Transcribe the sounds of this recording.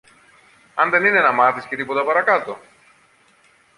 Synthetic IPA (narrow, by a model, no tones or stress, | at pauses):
ɐnðe̞nine̞nɐmɐθiscet̪ipo̞t̪ɐpɐɾɐkɐt̪o̞